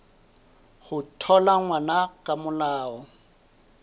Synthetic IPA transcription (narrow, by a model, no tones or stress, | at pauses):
χʊtʰɔlaŋwanakʼamʊlaːɔ